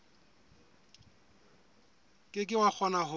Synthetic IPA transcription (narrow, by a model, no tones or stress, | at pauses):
kʼɪkʼɪwak͡xʰɔnaɦʊ